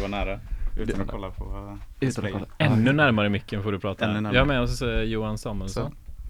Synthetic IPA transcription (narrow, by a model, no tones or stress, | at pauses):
ʋvaɳæːɾa̰ː | ɔlːapʰɔ̰ | ɛnːʉnæɾmaɾəmʏkːənfoːɖɵpʰɾɑːt̪ʰajahaɾmɛɔsjuːansɑːmʉlsɔn